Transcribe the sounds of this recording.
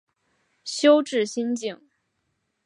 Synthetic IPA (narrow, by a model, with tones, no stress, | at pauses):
ɕjo˥ʊʈ͡ʂɻ̩˥˩ɕi˥nt͡ɕi˥˩ŋ